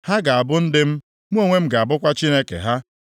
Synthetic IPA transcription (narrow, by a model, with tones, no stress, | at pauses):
ha˦ɡa˨a˨bʊ˦n̩˦dɪ˦m̩˦ | m̩˦o˦ŋʷe˦m̩˦ɡa˨a˨bʊ˦kʷa˦t͡ʃi˦ne˦kḛ˨ɦa˦